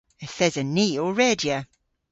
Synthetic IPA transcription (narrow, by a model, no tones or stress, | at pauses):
ɪθɛzəniːɔɹɛːdiə